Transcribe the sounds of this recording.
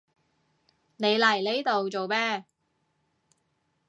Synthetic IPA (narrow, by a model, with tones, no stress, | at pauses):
ne˨˧jlɐ˨˩jle˨˥jt̪o˨wt͡so˨wmɛː˥